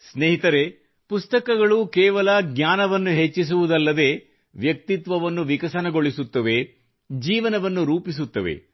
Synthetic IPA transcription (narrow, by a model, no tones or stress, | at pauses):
sneːɦit̪ɐɾe̞ | pust̪ɐkɐɡɐɭukɛːʋɐlɐɡɲʲaːnɐʋɐnːuɦet͡ʃːis̬uʋud̪ɐlːɐd̪e̞ː | ʋjɐk̚t̪it̪ʋɐʋɐnːuʋikɐsɐnɐɡo̞ɭisut̪ːɐʋe̞ | d͡ʒiːʋɐnɐʋɐnːuɾuːpis̬ut̪ːɐʋḛ